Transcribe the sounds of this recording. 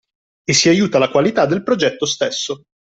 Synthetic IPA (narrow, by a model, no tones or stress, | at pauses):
esːiajuːt̪alakwalit̪ad̪ːelpɾod͡ʒɛt̪ːost̪esːo